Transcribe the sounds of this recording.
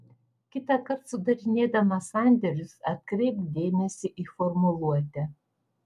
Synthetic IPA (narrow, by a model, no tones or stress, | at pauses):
kʲɪt̪ɐkɐɾt̪sʊd̪ɐɾʲɪnʲeːd̪ɐmɐsɑˑnʲd̪ʲɛɾʲʊsɐt̪̚ʲkɾʲɛɪpd̪ʲeːmʲɛsʲɪʔifɔɾmʊlˠuɔt̪ʲɛ